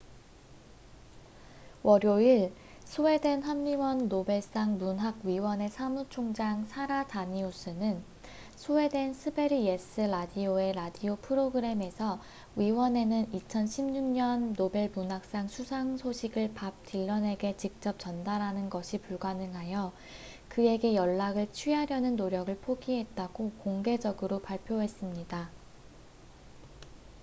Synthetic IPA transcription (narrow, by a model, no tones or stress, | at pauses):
wʔʌɾjoiɭ | sʰoe̞dwe̞nɦamːiwʌnːobe̞ɭs͈aŋmunɦaɡ̚ɥiwʌne̞sʰamut͡ɕʰoŋd͡ʑaŋsʰaɾataɲius͈ʰɯnɯn | sʰoe̞dwe̞nsʰɯbe̞ɾie̞s͈ɯɾadioe̞ɾadiopʰɯɾoɡɯɾe̞me̞sʰʌ | ɥiwʌne̞nɯnit͡ɕʰʌnɕʰimɲuŋɲʌnːobe̞ɭpunɦak̚s͈aŋsʰusʰaŋsʰoɕʰiɡɯɭpap̚tʰiɭːʌne̞ɡe̞t͡ɕik̚t͡ɕ͈ʌp̚t͡ɕʌndaɾɦanɯnɡʌɕʰipuɭɡwanɯŋɦajʌ | kɯe̞ɡe̞jʌɭːaɡɯɭt͡ɕʰɥiɦaɾjʌnɯnːoɾjʌɡɯɭpʰoɡiɦe̞t̚t͈aɡ̥okoŋɡe̞d͡ʑʌɡɯɾopaɭpʰjoɦe̞s͈ɯmɲida